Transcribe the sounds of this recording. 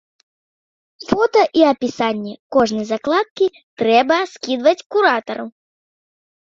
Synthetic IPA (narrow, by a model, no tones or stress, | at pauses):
fɔt̪ɐʔiɐpʲisanʲːɛkɔʐnɨjzaklˠat̪̚kʲi | t̪ɾɛbɐskʲid̪vɐt͡sʲkuɾat̪ɐɾɐw